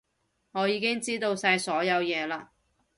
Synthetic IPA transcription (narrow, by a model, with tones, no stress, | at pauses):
ŋɔː˨˧jiː˨˧kɪ˥ŋt͡siː˥t̪o˧wsaː˧jsɔː˨˥jɐ˨˧wjɛː˨˧laː˧